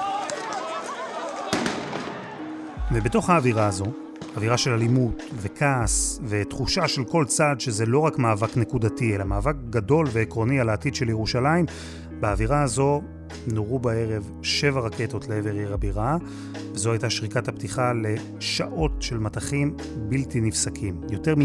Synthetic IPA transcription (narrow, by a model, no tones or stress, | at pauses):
vebeto̞χhaːviʁaːzo̞ | aviʁaʃe̞lalimutve̞kʰasve̞tχuʃaʃe̞lko̞lt͡sadʃe̞ze̞lo̞ʁakmaːvakne̞kudatielamaːvak̚ɡado̞lve̞ːkʁo̞nialaːtidʃe̞ljeʁuʃalaim | beaviʁaazo̞ | noʁubae̞ʁe̞v | ʃe̞vaʁaketo̞tleeve̞ʁjeʁabiʁa | vezo̞hajtaʃʁikataptiχale̞ | ʃaʔo̞tʃe̞lmataχim | biltinifsakʰimjo̞te̞ʁmi